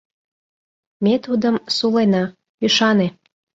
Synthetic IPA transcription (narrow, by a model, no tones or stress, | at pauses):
met̪ud̪əmsulenɑ | pyʃɑne